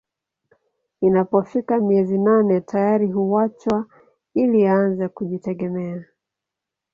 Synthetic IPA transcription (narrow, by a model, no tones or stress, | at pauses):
inapɔfikamiɛzinanɛtʰajaɾiɦuwat͡ʃwa | iliaanzɛkuʄitɛɠɛmɛa